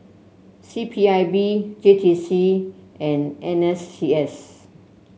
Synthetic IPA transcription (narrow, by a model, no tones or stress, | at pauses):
sipʰiajbid͡ʒetʰisiɛ̃nɛ̃nɛstʰiɛs